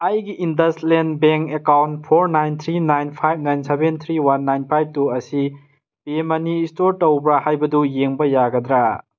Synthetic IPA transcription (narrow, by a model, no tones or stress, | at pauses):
ɐjɡiʔindɐslenbeŋkekawntpʰoɾnajnt̪ʰɾinajnpʰajb̚najnsebent̪ʰɾiwanːajnpʰajb̚tuɐsi | b̥iemɐniːstoɾtowbɐhajbɐdujeŋbɐjaɡɐd̪ɾa